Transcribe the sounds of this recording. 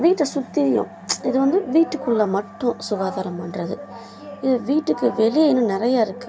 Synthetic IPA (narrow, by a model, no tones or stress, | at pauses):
ʋiːʈːɐsʊt̪ːɪðɪjʊ̰̃ | ɪðɯʋɐnd̪ɯʋiːʈːɯkːɯɭːɐmɐʈːʊ̃sʊɡaːðaːɾɐmpɐnrɐðɯ | ɪðɐʋiːʈːɯkːɯʋɛlɪjeɪnːɯ̃nɪɾɐjaːɪɾɯkːɯ